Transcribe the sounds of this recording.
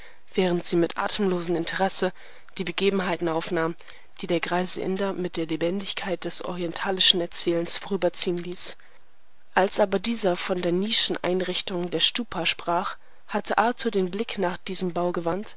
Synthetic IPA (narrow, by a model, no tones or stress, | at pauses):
v̥ɛːʁ̞əntz̥iːmɪtʔa̰ːtʰəm̩loːzn̩ɪntʰəʁɛsə | d̥iːbəɡeːbm̩ɦaɪtn̩aʊfnaːm | d̥iːdeːɐɡʁaɪzəʔɪ̰ndɐmɪt̚d̥eːɐlebɛndɪçkʰaɪt̚d̥ɛsʔɔ̰ʁiɛntʰaːlɪʃn̩ɛɐt͡sɛːlənsfoʁyːbɐt͡siːənliːs | ʔalsʔaːbɐdiːzɐfɔndeːɐniːʃn̩ʔa̰ɪnʁɪçtʊŋdeːɐʃtuːpʰaʃpʁ̥aːχ | hatʰəʔatʰudeːnblɪknaːχd̥iːzəmbaʊɡəvant